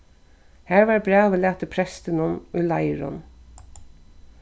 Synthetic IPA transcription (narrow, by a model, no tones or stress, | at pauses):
hæːɹʋɑɹbɹæːʋəlæːt̪əpʰɾɛst̪ɪnʊmʊjlaɪɹʊ̰n